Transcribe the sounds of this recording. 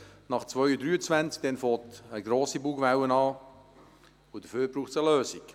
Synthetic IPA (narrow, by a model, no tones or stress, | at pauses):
nɑχt͡sʋœʏədɾyːət͡svænt͡sk̚d̥ɛnfoːtəɡɾoːsibuːɡʋæwənɑː | ʊd̥əføːɾbɾuːχt͡səløːsik